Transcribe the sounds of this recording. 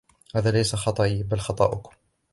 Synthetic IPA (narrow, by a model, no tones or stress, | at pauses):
haːðaːlajsaxɑt̪ˤɑʔibalxɑt̪ˤɑ̰ːʔʊk